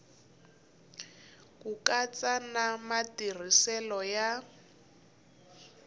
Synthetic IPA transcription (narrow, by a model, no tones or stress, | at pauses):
kukat͡sanamatir̤isɛlɔja